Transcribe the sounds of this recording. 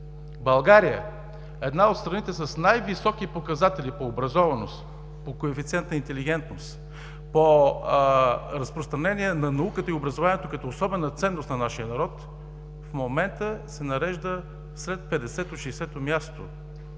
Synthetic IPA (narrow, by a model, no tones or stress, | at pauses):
bɐlˠɡaɾijə̰ | ɛd̪naot̪st̪ɾɐnit̪ɛsɐsnajvisɔkipokɐzat̪ɛlipoːbɾɐzɔvɐnost̪ | pokoɛfit̪sʲiɛnt̪nəint̪ɛliɡ̟ɛnt̪nost̪ | po | ɾəspɾost̪ɾɐnɛniɛnɐnɐukət̪əiobɾəzovaniɛt̪okɐt̪ɔosɔbɛnət̪sɛnːost̪nɐnaʃiənɐɾɔt̪ | fmomɛnt̪əsɛnɐɾɛʒd̪ə | slɛt̪̚pɛd̪ɛsɛt̪oʃɛsɛt̪omʲjast̪o